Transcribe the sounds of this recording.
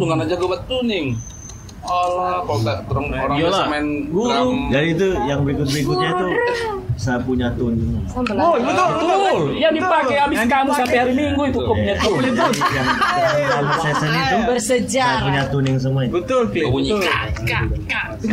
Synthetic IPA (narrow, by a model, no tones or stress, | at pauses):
duŋɡanad͡ʒaɡubat̪ːunɪŋ | ɔlɔkalot̪at̪əɾəŋɾaŋalamanɡuɾud͡ʒadiːt̪̬ujaŋbəɾikʊt̪̚bɾikʊt̪̚ɲait̪u | sajapuɲat̪ʊn | bət̪ʊljadipakejabɪskamusampehaɾimiŋɡuit̪ukopuɲat̪uit̪unjaaamasajasanatabərsəd͡ʒaajapuɲat̪unɪŋs̬əmuaɲbət̪ʊlfiuɲiʊka | a